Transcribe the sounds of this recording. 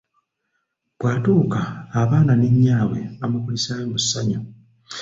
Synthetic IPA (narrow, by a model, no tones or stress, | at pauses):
bwaːtuːkaːβaːnaneɲːaːwe̞̰amukulisaːjomusːaɲo